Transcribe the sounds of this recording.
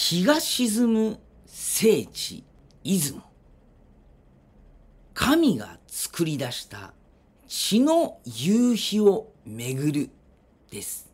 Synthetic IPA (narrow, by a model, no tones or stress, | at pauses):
çiɡaɕizɨmɯ | se̞ːt͡ɕḭ | izɨmo | kʰamʲiɡa̰t͡sɨ̥kɯ̟ɾʲid̪aɕi̥t̪a̰ | t͡ɕino̞jɯːçio̞ | me̞ɡɯ̟ɾɯ̟ | d̪̥e̞sɨ̥